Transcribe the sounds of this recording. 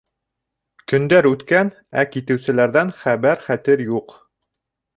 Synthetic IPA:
kɵ̆nd̪æɾʉt̪kæn | ækit̪ɘ̆wsɘ̆læɾðænχæβæɾχæt̪ɘɾjuq

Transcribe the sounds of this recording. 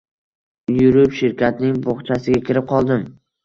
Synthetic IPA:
jʊɾɪpʃɪɾkʲat̪̚nɪŋboχt͡ʃʰasɪɡʲakʲʰɪɾɪp̚qʰɒlˠd̪ɪm

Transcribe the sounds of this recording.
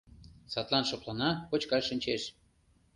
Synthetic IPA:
sɑt̪lˠɑnʃŏplˠɑnɑkot͡ɕkɑʃinʲt͡ɕeʃ

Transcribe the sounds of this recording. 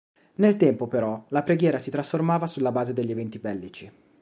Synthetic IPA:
nelt̪ɛmpopeɾɔlapɾeɡjɛːɾasit̪ɾasformaːvasulːabaːzed̪eʎːevɛnt̪ibɛlːit͡ʃi

